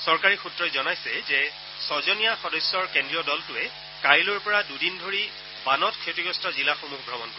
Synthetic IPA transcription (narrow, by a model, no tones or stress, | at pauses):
sɔɹkaɹixutɹɔzɔnajsɛzɛ | sɔzɔnijaxɔdɔsːɔɹkendɹijɔdɔltʊɛ | kaɹilʊɹpɔɹadudindʱoɹi | banɔtkʰetiɡɹɔstʰɔzilaxomuɦbʱɹɔmɔnkɔɛ